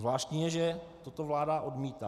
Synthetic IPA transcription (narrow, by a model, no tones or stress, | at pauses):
vlaːʃt̪ɲijɛʒɛt̪ot̪ovlaːdaʔodmiːt̪a